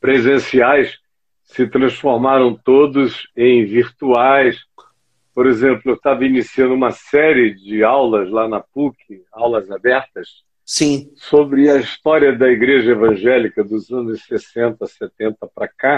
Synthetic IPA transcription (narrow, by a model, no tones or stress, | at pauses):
pɾezẽsiajs | sɪt̪ɾɐ̃sfoɾmaɾɐ̃w̃t̪od̪ʊzẽj̃viɾt̪uajs | poɾezẽmplʊewt̪avɐinisiɐ̃nd̪ʊũmɐsɛɾɪd͡ʒɪawlɐzlanɐpukʰɪawlɐzabɛɾt̪ɐs | sĩsobɾɪɐist̪ɔɾiɐd̪ɐiɡɾeʒɐevɐ̃ʒɛlikɐd̪ʊzɐ̃nʊʃsesẽnt̪ɐset̪ẽnt̪ɐpɾɐka